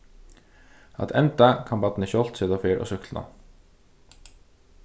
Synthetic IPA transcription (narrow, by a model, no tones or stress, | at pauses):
ɑ̰t̪ʰɛnt̪akʰɑmbɑt̪nəçɔlt̪seːðafeːɾʔɔ̰ːsʏklna̰